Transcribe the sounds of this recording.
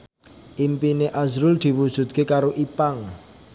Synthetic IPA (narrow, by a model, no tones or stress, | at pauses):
ʔimpineʔazɾʊld̪̥i̤wud̥ʒ̥ṳt̪̚kekaɾoʔipaŋ